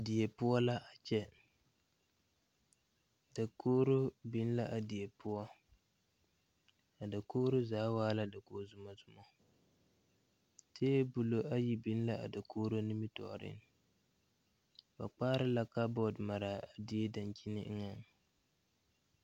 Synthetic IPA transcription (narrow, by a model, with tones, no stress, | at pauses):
a˨dɪ˨je˨pʊ˦ɔ˦la˦ʔa˨t͡ʃɛ˦ | da˨koː˦ɾo˦bɪ˦n˦la˦ʔa˨di˨e˨pʊ˦ɔ˦ | a˨da˨koː˦ɾo˦zaː˨˦waː˦la˦da˨koː˦˨zʊ˨ma˨zʊ˨mɔ˦ | tʰeː˦bʊ˨lo˦ʔa˦ji˦bɪ˦n˦la˦a̰˨da˨kʰoː˦ɾo˦nɪ˦mi˦tɔ̰˨ɾɪ̰˦n | ba̰˨k͡paː˦ɾɪ˦la˦ka˦bɔ˨dma˨ɾa˨a˨di˨e˦da˨nt͡ʃi˦nɪ̰˦ŋa˨ŋ